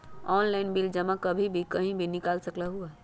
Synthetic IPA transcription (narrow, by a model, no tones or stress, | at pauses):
ɔnlaɪnbild͡ʒəmakəbʱibʱikəɦĩbʱinikalsəklaɦuɛ